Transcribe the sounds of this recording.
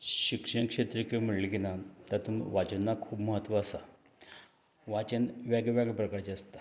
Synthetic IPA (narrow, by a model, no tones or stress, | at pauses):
ɕikʂənkʂet̪ɾikem̤əɽliɡinat̪at̪umʋat͡ɕənːakʰuːbməɦət̪ːʋaːsa̰ | ʋat͡ɕənʋjaɡʋjaɡəpɾəkaɾt͡ɕeast̪ḁ